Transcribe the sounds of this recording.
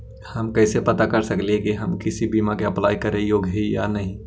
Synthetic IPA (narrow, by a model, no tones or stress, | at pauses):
hɐmkɛːsepɐt̪akɐɾsɐkleẽkiɦɐmkɪsibiːmakeɐplaːjkɐɾẽjoːɡʱɦeja̰nɐɦĩ